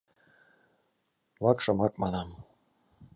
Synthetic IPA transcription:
lɑkʃɤ̆mɑkmɑnɑm

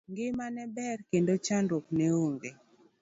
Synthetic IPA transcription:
ŋɡɪmanɛbɛrkendot͡ʃanɾokneoŋɡe

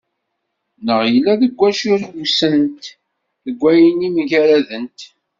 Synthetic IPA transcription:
nəʁjəlːæðəɡʷːæʃiɾɡusənt̪ | θəɡʷæjənimʝæɾæðənt̪

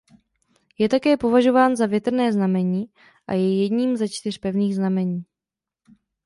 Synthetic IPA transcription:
jɛt̪akɛːpo̞vaʒo̞vaːnzavjɛt̪r̩nɛːznamɛɲiː | ʔa̰jɛjɛdɲiːmzat͡ʃt̪ɪr̝pɛvniːɣznamɛɲiː

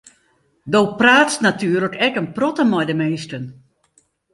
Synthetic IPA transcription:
doːpraːtsnatyərləkɛkənprɔtəmɔjdəmeːstən

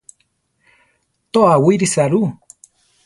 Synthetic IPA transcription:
t̪oawuiɾisaɾu

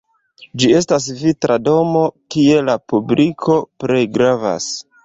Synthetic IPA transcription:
d͡ʒie̞stas̬vitɾʔado̞mo̞kie̞lapublikʰo̞pɾe̞jɡɾava̰s

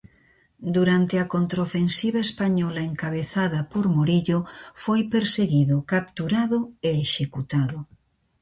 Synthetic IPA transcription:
d̪uɾant̪ɪɐkont̪ɾofensiβaespaɲɔlɐeŋkaβ̞eθaðɐpoɾmoɾiʎofojpeɾseɣiðʊkap̚t̪uɾaðʊeːʃekut̪aðʊ

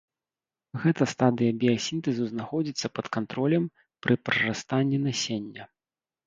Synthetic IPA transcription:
ɣɛt̪ɐst̪ad̪ɨjɐbʲijɐsʲint̪ɛzɨznaxɔd͡zʲit̪sːɐpɐt̪kant̪ɾɔlʲɛm | pɾʔɨpɾɐrast̪anʲːinasʲenʲːɐ

